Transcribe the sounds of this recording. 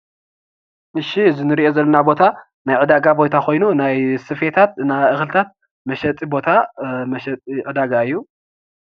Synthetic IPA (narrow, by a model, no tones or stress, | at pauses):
ʔɨʃizɨnɨɾiʔo̞zɐlːɐnabo̞t̪ʰa | najʕɨd̪aɡabo̞jt̪ʰakʰo̞jnunajsɨfe̞t̪ʰat̪̚ɨnaʔɨxlɨt̪ʰat̪̚ | mɐʃɐt̪ʼibo̞t̪ʰamɐʃɐt̪ʼiʕɨd̪aɡaɨjːu